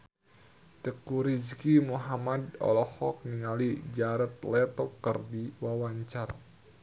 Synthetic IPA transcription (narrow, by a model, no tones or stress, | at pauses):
t̪əkuɾizkimuɦamadɔ̰lɔhɔk̚niŋalid͡ʒaɾət̪̚lɛt̪ɔpkərdiwawaɲt͡ʃar